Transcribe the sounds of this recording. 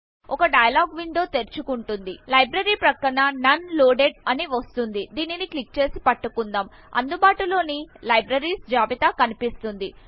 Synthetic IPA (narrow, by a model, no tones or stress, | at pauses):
ɔkɐɖɐjɐlaːɡʋiɳd̪o̞ːt̪eɾt͡ʃukuɳʈund̪ilɐjbɾɐɾiːpɾɐkːɐɳanɐnloːɖeɖɐniʋɐst̪und̪id̪iːniniklik̚t͡ʃe̞ːsipɐʈːukund̪aːm | ɐ̰nd̪ubaːʈulo̞ːnilɐjbɾɐɾiːsd͡ʒaːbit̪aːkɐnipist̪und̪i